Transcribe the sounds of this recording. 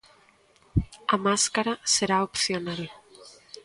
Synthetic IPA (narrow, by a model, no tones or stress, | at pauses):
amaskaɾaseɾaopθjonal